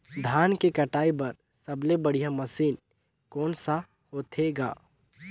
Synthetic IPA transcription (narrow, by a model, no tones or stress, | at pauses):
d̪ʱaːnkekɐʈaːibɐɾ | sɐblebɐɽ̤ijamɐsiːn | kɔːnsa | hoːt̪ʰeːɡa̰ː